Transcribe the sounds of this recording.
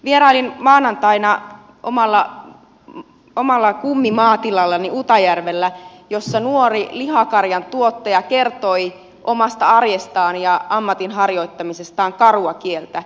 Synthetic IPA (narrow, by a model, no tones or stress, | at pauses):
ʋierɑːlinmɑːnɑnt̪ɑinɑ | ʔo̰mɑlːɑ | omɑlːɑkumːimɑːt̪ilɑlːɑniut̪ɑjærʋelːæjosːɑnuorilihɑkɑrjɑnt̪uot̪ːɑjɑkert̪oi | ʔomɑst̪ɑɑrjest̪ɑːnjɑɑmːɑt̪inɦɑrjo̞it̪ːɑmisest̪ɑːŋkɑruɑkielt̪æ